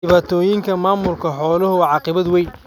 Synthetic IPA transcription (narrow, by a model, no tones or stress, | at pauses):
ɪβaːt̪ʰɔːjɪŋkʰɐmaːmʊlkʰɐħɔːlɐɦʊwʕɑqɪβɐd̪wɛjn